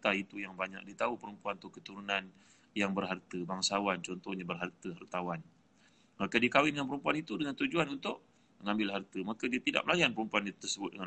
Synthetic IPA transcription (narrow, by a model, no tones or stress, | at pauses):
t̪ait̪ujaŋbaɲa̰k̚diət̪aupəɾəmpuanut̪ʊʔkət̪uɾunan | jaŋbərɦart̪əbaŋsawant͡ʃɔnt̪ɔhɲabərɦart̪əɦart̪awan | makadiəkawɪndəŋanpəɾumpuanit̪udəŋant̪ud͡ʒuanunt̪ʊʔ | məŋãmbɪlɦart̪əmakadiat̪ida̰ʔ̚məlajanpəɾumpuant̪ərsəbʊt̪̚dəŋa